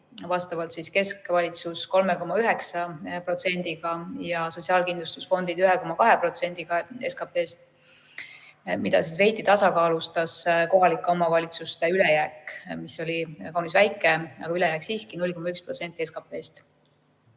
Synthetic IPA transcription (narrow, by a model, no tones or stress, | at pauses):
vɑst̪ɑvɑlt̪siske̞skvɑlʲit̪susko̞lmeko̞mɑyɦe̞ksɑpro̞t̪se̞nʲd̪̥iɡ̥ɑjɑso̞t̪ʲsiɑːlkind̪lust̪u̥sfo̞nd̪̥id̪̥yɦɛko̞mɑkɑɦe̞pro̞t̪se̞nʲd̪̥iɡ̥ɑe̞skɑpˑe̞ːst̪ | mid̪̥ɑ̰sisve̞jt̪ˑːit̪ɑsɑkɑːlust̪ɑsko̞ɦɑlikːˑeo̞mɑvɑlʲit̪sust̪eylejæːkmiso̞lʲikɑwnisvæjkːˑeɑ̰ɡ̥ɑylejæːksiːskinulʲkomɑykspro̞t̪se̞nʲt̪ːˑieskɑpːˑe̞ːst̪